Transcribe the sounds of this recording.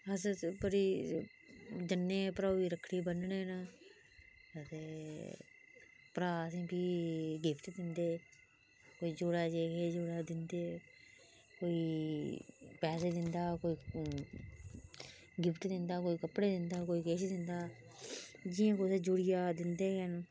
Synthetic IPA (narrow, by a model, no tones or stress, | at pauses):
əsbəɾiː | d͡ʒənːeːpɾaːiːɾəkʰːɽiːbənɳeːn | ət̪eː | pəɾaːəs̬ĩːbiːɡɪpʰʈd̪ɪnd̪eː | koːiːd͡ʒoːɽaːd͡ʒeːkeːd͡ʒoːɽaːd̪ɪnd̪eː | koːiː | pɛːs̬eːd̪ɪnd̪aːkoːiː | ɡɪpʰʈd̪ɪnd̪aːkoːiːkəpɽeːd̪ɪnd̪aːkoːiːkeːʃd̪ɪnd̪aː | d͡ʒɪːãːkoseːd͡ʒuːɽɪjaːd̪ɪnd̪eːɦən